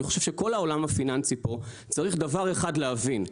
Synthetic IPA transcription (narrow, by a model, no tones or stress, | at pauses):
iχoʃe̞vʃeko̞lao̞lamafinant͡sipo̞ | t͡saʁiχd̪avaʁeχadleɦavin